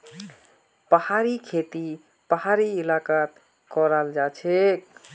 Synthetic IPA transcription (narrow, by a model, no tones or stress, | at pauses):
pəhaɾikʰet̪i | pəɦaɾiɪlakat̪ | kɔɾald͡ʒat͡ʃʰek